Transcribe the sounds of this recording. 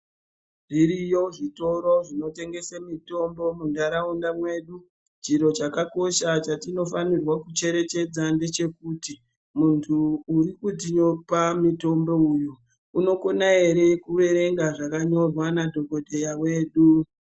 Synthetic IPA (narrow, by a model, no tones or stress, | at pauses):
ʐiɾijo̞ʐito̞ɾo̞ʐino̞te̞ŋɡe̞semito̞mbo̞mundaɾaundamwe̞ːɗu | t͡ʃiɾo̞t͡ʃakako̞ʃat͡ʃatino̞fanirwakut͡ʃe̞ɾe̞t͡ʃe̞d͡zande̞t͡ʃe̞kuti | muntʰuːɾikut̬iɲo̞pamito̞mbo̞ujuː | no̞ko̞nae̞ɾe̞kuʋe̞ɾe̞ŋɡaʐakaɲo̞rwanadʱo̞ko̞de̞jawe̞ːɗu